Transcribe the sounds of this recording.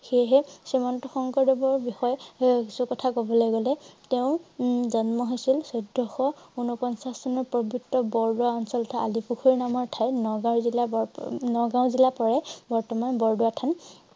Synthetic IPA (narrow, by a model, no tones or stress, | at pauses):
xejɦɛsimɔntɔxɔŋkɔɹdɔbɔɹbixɔjkisukɔtʰakobɔlɔjɡɔlɛteʊ̃zɔnmɔɦojsilsɔdʱːɔxɔunɔpɔnsasɔnɔɹpɹɔbʱuktːɔbɔɹduaɔnsɔltʰaalipuxʰɔɹnamɔɹtʰajnɔɡawzilabɔnɔɡaʊ̃zilapɔɹɛbɔɹtɔmanbɔɹduatʰan